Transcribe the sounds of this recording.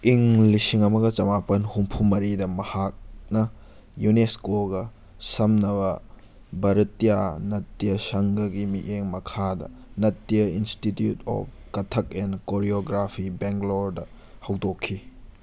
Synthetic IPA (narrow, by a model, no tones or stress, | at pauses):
iŋlisiŋɐmɐɡɐt͡ʃɐmapɐnhumpʰumɐɾidɐmɐhak̚nɐ | juneskoɡɐ | sɐmnɐβɐ | bɐɾɐtːijanɐtːijɐsɐŋɡɐɡimiʔeŋmɐkʰadɐ̰nɐtːijɐinstitjutɔ̰p̚kɐtʰɐk̚enkoɾioɡɾapʰibeŋɡloɾdɐ | hɐwdokʰːi